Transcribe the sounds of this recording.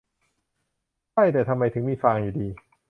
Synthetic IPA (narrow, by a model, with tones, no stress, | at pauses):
t͡ɕʰa˥˩jt̪ɛː˨˩t̪ʰa˧mːa˧jt̪ʰɯ˩˦ŋmiː˧faː˧ŋjuː˨˩diː˧